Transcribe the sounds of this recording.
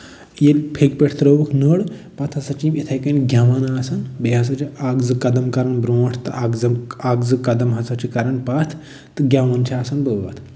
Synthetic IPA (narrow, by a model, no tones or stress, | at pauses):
jelpʰekpeʈʰt̪ɾəʋɐkʰnəɽpɐt̪ʰhɐsɐt͡ʃimit̪ʰɐjkɐnʲɡʱʲjaʋanaːsɐnbeɦɐs̬ɐt͡ʃʰiaɡzɨkɐd̪ɐmkɐɾɐnbɾõːʈʰt̪ɨʔaɡzɐmaɡzɨkɐd̪ɐmɦɐsɐt͡ʃʰikaɾɐɳpɐt̪ʰ | t̪ɨɡʲjaːʋɐnt͡ʃʰiaːsɐnbəʋɐ̰t̪ʰ